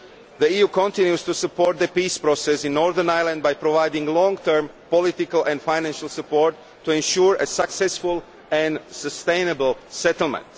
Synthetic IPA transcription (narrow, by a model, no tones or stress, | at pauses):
ðəiːjuːkɔ̃nt̪ĩnjust̪usupoɾt̪̚d̪əpiːspɾosɛsɪ̃nːɔɾðənajlˠãnd̪bajpɾɔʋajdɪ̃ŋɡlɔ̃ŋɡt̪ʰəɾm | pɔlɪt̪ɪkəlˠʔɛ̃ndfajnæ̃nʃalˠsupoɾt̪ːuɛ̃nʃuɹesaksɛsfulˠ | ɛ̃nsəst̪ẽɪnəbəlˠsɛt̪l̩ˠmɛ̰̃nt̪